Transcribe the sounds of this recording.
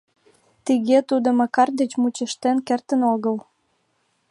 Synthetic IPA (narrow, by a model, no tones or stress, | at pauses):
t̪iɣet̪ud̪omɑkɑrd̪et͡ɕmut͡ɕəʃt̪enkert̪ənoɣəl